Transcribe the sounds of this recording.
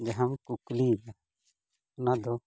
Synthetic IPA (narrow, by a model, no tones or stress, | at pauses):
d͡ʒəɦəmkukliːɡa | nad̪oː